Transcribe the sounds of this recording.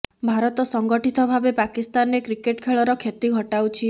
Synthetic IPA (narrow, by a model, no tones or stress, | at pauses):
bʱaɾɔt̪ɔsɔŋɡɔʈit̪ɔbʱabepakist̪anekɾikeʈkʰeɭɔɾɔkʰet̪iɡʱɔʈawt͡ʃʰi